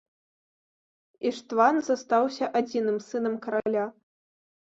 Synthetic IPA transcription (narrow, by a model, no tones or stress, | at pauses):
iʂt̪vanzast̪awsʲɐʔad͡zʲinɨmsɨnɐmkɐɾalʲa